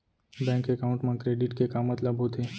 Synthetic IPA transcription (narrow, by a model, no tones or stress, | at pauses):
bɛ̃ŋkekaũɳʈmãkɾeɖiʈkekamət̪labʱɦot̪ʰe